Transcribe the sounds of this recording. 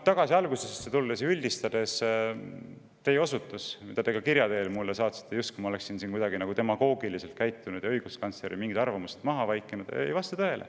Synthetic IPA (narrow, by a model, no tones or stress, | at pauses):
t̪ɑɡ̥ɑsiɑlɡusessːet̪uld̪es̬ylʲd̪̥ist̪ɑd̪̥e̞s | t̪e̞jeo̞sut̪ːˑusmid̪̥ɑt̪e̞ɡɑkiɾjɑd̪e̞ːlmulːesɑːt̪se̥t̪ːˑejust̪kujmɑole̞ksinsiːnkujd̪ɑɡinɑɡ̥ut̪e̞mɑɡo̞ːɡilise̞lt̪̚kæjt̪ːˑunud̪̥jɑɤjɡ̥uskɑnsleɾʔḭmiŋɡid̪ɑrvɑmuse̥t̪mɑɦɑvɑjkːˑenud̪̥ejvɑst̪ɑt̪ɤe̞lʔḛ